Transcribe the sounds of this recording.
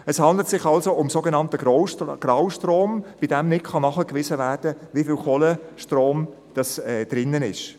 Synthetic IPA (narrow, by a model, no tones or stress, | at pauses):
ɛshɑnd̪lətsɪχɑlsoʊmsoːɡenɑntəɡroʊɡ̥rawʃtroːmb̥idɛmnɪkχɑnɑχəkʋɪzəvæːrd̥əvifɪlχoləʃtroːm | d̥ɑsɛd̥ɾɪnːənɪ̰ʃ